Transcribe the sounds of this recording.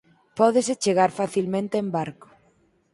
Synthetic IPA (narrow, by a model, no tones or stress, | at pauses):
pɔðeset͡ʃeɣ̞aɾfaθilmẽnt̪eembaɾko̥